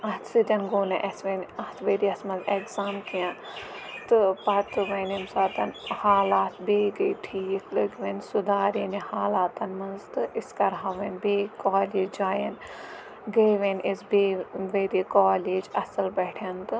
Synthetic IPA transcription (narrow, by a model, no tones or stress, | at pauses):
ɐt̪sid̪ʲɐnɡoːnɐʔɐsʋenɐt̪ʰʋeːɾiɐsmɐzekzaːmkijã | t̪ɨpɐt̪ɨʋɐːnemsaːt̪ɐnhaːlaːt̪beːɡɐiʈʰiːklɐɡʋensud̪aːɾinihaːlaːt̪ɐnmɐnzt̪ɨiskɐɾɦɐʋenbeːkaːleːd͡ʒd͡ʒaːjɐn | ɡɐjʋenʲesbeʋeːɾikaːleːd͡ʒɐsɐlbɐːʈʰɐnt̪ɨ